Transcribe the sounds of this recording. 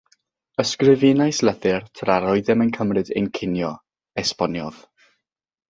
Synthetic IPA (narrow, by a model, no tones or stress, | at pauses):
əskrɨvɪnajslˠəθɨrtʰraɾɔɨðɛmənkʰəmrɨdḛnkʰɪnjɔ | ɛspɔnjɔð̥